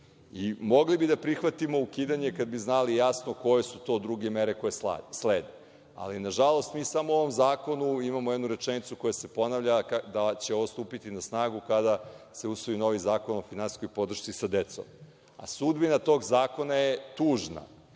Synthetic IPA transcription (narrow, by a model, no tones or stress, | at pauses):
imo̞ɡlibid̪apɾixʋat̪imoukiːd̪aɲe̞kad̪̚biznalijasnoko̞je̞sut̪o̞ːd̪ɾuɡemeɾe̞ko̞jesa̰sleːd̪e | a̰linaʒalo̞st̪miːsamooʋo̞mzaːko̞nuimamojed̪nuɾet͡ʃenit̪suko̞jase̞po̞naʋʎakad̪at͡ɕeoost̪uːpit̪inasnaːɡukad̪ase̞usʋo̞jino̞ʋizaːko̞nofinansi̥sko̞jpo̞d̪r̩ʃt̪sisad̪e̞t̪so̞̰m | a̰sud̪binat̪o̞ːɡzaːko̞najet̪uːʒna̰